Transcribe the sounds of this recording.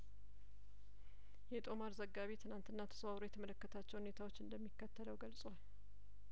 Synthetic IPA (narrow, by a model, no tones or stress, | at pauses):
jɛt̪ʼo̞maɾzəɡːaβet̪ʰɨnant̪ɨnːat̪ʰə̥səwawɾojɛt̪ʰəmələkːət̪ʰat͡ʃːɛwhune̞t̪ʰawot͡ʃːɨnd̪əmːikːət̪ʰːələwɡəlsʼwal